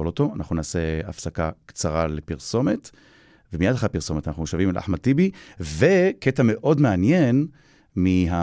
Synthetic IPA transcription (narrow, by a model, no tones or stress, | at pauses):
olo̞to̞anaχnunaːse̞afsakakt͡saʁalepiʁsome̞t | vemijadχapiʁso̞metanaχnuʃavimla̰ħmatibiveketame̞ʔo̞dmeanje̞n | miɦa